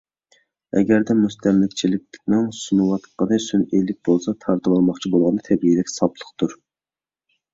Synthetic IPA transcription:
ɛ̰ɡʲæɾd̪ɛmust̪ʰɛmlɪkʲt͡ʃʰilɪk̚ʲnɪnsunɨwɑt̪qənɨsynelɪk̚ʲbolˠsɑt̪ʰɑɾt̪ɨbɑlˠmɑχt͡ʃʰibolˠʁɑnd̪ɑt̪ʰɛbiid̪ɛkʲsɑblˠə̥qt̪ʰuɾ

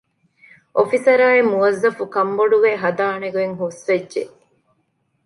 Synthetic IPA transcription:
ʔofisɐɾaːemuʋɐzːɐfukɐmboɖuʋeːɦɐd̪aːneɡueŋɦusʋedʒe

